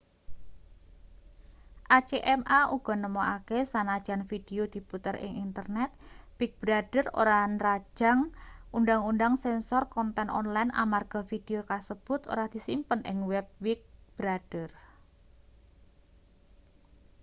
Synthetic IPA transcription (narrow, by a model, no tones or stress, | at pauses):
ʔat͡ʃeʔɛmauɡ̥ɔ̤nəmoakesanad̥ʒ̥anfid̥eod̪̥i̤put̪ərɪ̰ŋint̪ərnɛt̪̚wik̚b̥ɾad̥əro̰ɾanrḁʒ̥a̤ŋundaŋunɖaŋsɛnsɔrkɔnt̪ɛnɔ̰nlajnʔa̰marɡ̥ɔ̤fid̥eokasəb̥ʊ̤t̪o̰ɾahd̪̥i̤simpənʔɪ̰ŋwɛp̚wik̚b̥ɾad̥ər